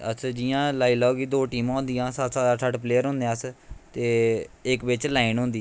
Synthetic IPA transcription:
ə̰t͡ʃːd͡ʒijãːlaːiːlaoɡid̪oːʈiːmãːʊ̃nd̪ijãːsət̪saːd̪aːsʰəʈpleːəɾɦʊ̃ːnd̪ẽəst̪eːɪkbɪt͡ʃlaːinɦõnd̪iː

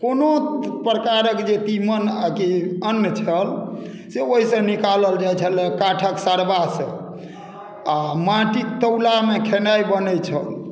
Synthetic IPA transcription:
konopɾəkaɾəkd͡ʒet̪imənkiənːt͡ʃʰəl | seoɦisə̃nikaləld͡ʒajt͡ʃʰəlekaʈʰəksaɾbasə̰̃ | amãʈit̪əwlamekʰenaibənət͡ʃʰəl

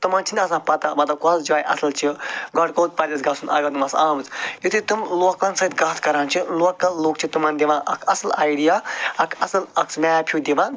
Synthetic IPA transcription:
t̪umãːnt͡ʃʰinʲɐs̬ãːpɐt̪abɐt̪akɔlsd͡ʒiʋaːjʔɐ̰sɐlt͡ʃʰiɡɐʈkoːt̪̚pɐɾd̪ʲesɡasunɐ̰ɡɐnɨmɐsaːmɨt͡sjut̪ʰɨt̪ɨmloːklansɐit̪ɡaːt̪ʰkɐɾaːnt͡ʃʰiloːkːɐlːoːk̚t͡ʃʰit̪umaːnd̪ʲiʋãːnʔɐ̰kʰɐsɐlaːjɖijaːɐkʰɐsɐlɐksmaːpʰjud̪iʋaːn

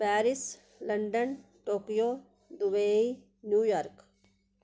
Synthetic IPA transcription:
pɛːɾɪs | ləɳɖən | ʈoːkijoː | d̪ʊbeːi | njuːjaːɾk

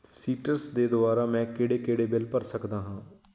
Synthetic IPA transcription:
siːʈəɾsd̪eːd̪ʊaːɾaːmɛ̃ːkɪɽeːkeːɽeːbɪlpəɾsəkd̪aːɦãː

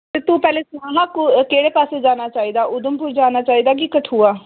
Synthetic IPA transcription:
t̪eːt̪uːpɛːleːsãːɦãːkʊkeːɽeːpaːseːd͡ʒaːnaːt͡ʃaːiːd̪aːʔʊd̪əmpʊːɾd͡ʒaːnaːt͡ʃaːiːd̪aːk̬ikəʈʰuːaː

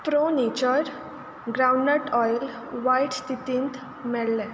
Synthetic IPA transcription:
pɾonit͡ɕəɾ | ɡɾawɳːeʈɔjl | ʋajʈst̪it̪ĩːnt̪ | mɛɭlɛ̃

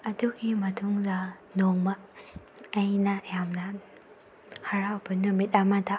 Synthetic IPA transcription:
ɐduɡimɐtʰuŋdɐ | noŋmɐ | ɐjnɐjamnɐ | hɐɾawbɐnumit̚amatʰa

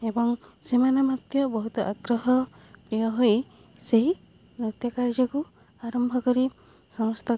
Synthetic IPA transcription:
ebɔŋsemanemat̪jɔbɔɦut̪ɔʔaɡɾɔɦɔ | pɾijɔɦoj | seɦi | nɾut̪jɔkaɾd͡ʒɔku | aɾɔmbʱɔkɔɾi | sɔmɔst̪ʰa

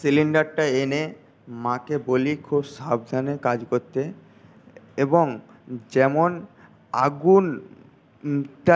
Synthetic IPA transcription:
siliɳɖaɾʈaene | mãkebolikʰubsabd̪ʱanekad͡ʑkoɾt̪e | eboŋ | d͡ʑɛmon | aɡun | ʈa

